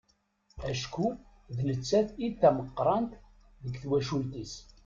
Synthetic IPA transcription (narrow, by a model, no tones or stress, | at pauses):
æʃku | ðlət͡sːæθiθːæməqːɾˤɑnt̪ | ðəɡθwæʃult̪is